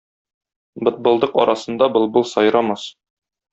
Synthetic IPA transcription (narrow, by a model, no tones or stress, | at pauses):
bɤ̆t̪̚bɤ̆lˠd̪ɤqɒɾʔɑsɤ̆nd̪ɑbɤ̆lˠbɤlˠsɒjɾɑmɑs